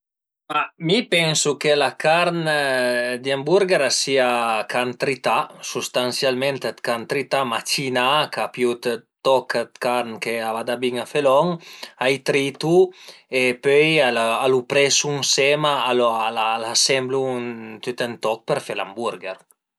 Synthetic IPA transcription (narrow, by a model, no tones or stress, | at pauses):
amipɛnsukelakaɾn | d̪iambuɾɡeɾasiakant̪ɾit̪asust̪ansjalment̪et̪kant̪ɾit̪amat͡ʃinakapjut̪t̪ɔkt̪kaɾnkeabad̪abiŋafelɔŋajt̪ɾit̪uepøjalalupɾɛsuŋsɛmaalalalasɛmbluŋt̪yt̪ɛnt̪ɔk̚peɾfela̰mbuɾɡeɾ